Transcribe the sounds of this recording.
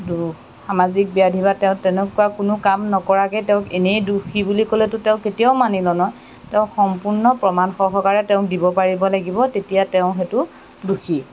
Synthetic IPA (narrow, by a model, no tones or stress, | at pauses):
du | xamazik̚bijadʱibatɛʊ̃tɛnɛkuwakʊnʊkamnɔkɔɹakɛtɛʊ̃kenejduxʰibulikolɛtʊtɛʊ̃ketijaʊmanilɔnɔj | tɛʊ̃xɔmpuɹnɔpɹɔmanxɔxɔkaɹɛtɛʊ̃k̚dibɔpaɹibɔlaɡibɔtetijatɛʊ̃xetʊ | duxi